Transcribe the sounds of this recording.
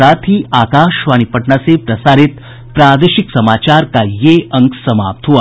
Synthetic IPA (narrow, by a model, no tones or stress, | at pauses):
ɾaːt̪ʰiaːkaːʃʋaːɽ̃ipəʈɳasepɾɐsaːɾit̪ | pɾaːd̪eʃiksɐmaːt͡ʃaːɾkajeɐŋksɐma̰ːp̚t̪ʰɦua